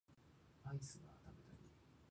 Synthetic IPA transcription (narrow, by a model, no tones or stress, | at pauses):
aisɨɡa̰t̪ame̞t̪aɾʲi